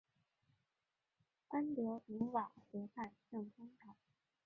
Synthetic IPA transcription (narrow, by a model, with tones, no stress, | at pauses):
a˥nljo˧˥ʊi˧˥wa˨˩xɛ˧˥pʰa˥˧nʈ͡ʂɤ˥˩ŋkʰʊ˥ŋt̪ʰa˨˩˦